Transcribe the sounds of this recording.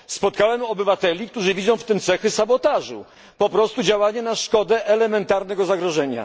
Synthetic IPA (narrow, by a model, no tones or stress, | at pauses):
spɔt̪̚kawɛmɔbɘvat̪ɛlʲik̚t̪uʐɘvʲidzɔ̃w̃ft̪ɘmt̪sɛxɘsabɔt̪aʐṵ | pɔpɾɔst̪ud͡ʑawaɲɛnaʂkɔd̪ɛʔɛlɛmɛnt̪aɾnɛɡɔzaɡɾɔʐɛɲa̰